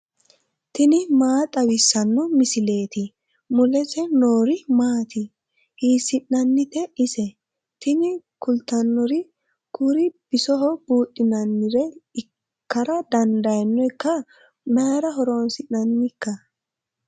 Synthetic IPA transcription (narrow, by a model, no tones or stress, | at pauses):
t̪ɪnɪmaːt̪ʼɐwɪsːɐnːɔmɪsɪle̞ːt̪ɪ | mʊlɛsɛnoːɾɪmaːt̪ɪ | hiːsɪʔnɐnːɪt̪ɛɪsɛ | t̪ɪnɪkʊlt̪ːɐnːɔɾɪ | kuɾɪb̥ɪsɔɦɔb̥uːtʼːɪnɐnːɪɾɛɪ | kːɐɾɐd̪ɐnd̪ɐjɛnːɔɪkːɐ | maːɾɐɦɔɾo̞ːnsɪʔnɐnːɪkːɐ